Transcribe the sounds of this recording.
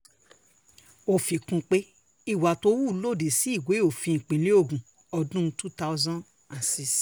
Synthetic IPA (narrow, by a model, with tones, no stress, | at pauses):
o˧˨fi˨kũ˧k͡pe˦ | i˦˨wa˨to˧˦wu˦˨˦lo˦˨de˨si˨˦i˦˨ɡʷe˨˦o˨fĩ˧ĩ˨k͡pĩ˨˦li˦o˦˨ɡũ˨ | ɔ˧dũ˦tu˦ta˦zã˦ | ã˨nsi˧s